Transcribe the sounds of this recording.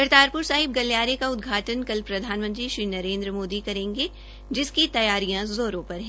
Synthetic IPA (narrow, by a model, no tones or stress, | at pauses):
kɐɾt̪aːɾpʊɾsaːɦɪb̚ɡɐljaːɾekaʊd̪ɡʱaːʈənkɐlpɾɐd̪ʱaːnmɐ̃nt̪ɾiʃɾiːnɐɾẽːnd̪ɾəmoːd̪ikɐɾẽːŋɡe | d͡ʒɪskit̪ɐjaːɾijãzoːɾõpɐɾɦɛ̃